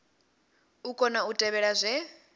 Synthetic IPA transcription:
ukʰʼɔnautʼɛβɛɺazʷɛ

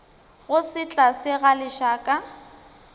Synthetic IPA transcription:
ɣʊsɪt͡ɬʼasɪɣalɪʃaːkʼa

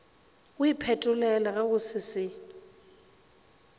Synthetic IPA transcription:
ɣʊipʰɛtʼʊlɛlaɣɛɣʊsɪsɪ

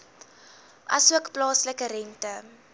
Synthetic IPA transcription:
ʔɐsuəkplɑːsləkəɾɛntə

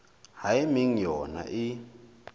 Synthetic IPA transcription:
haimiŋjɔna̰ʔi

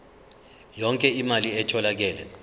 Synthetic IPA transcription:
jɔŋkʼɛimaliɛtʰɔlak̬ɛːlɛ

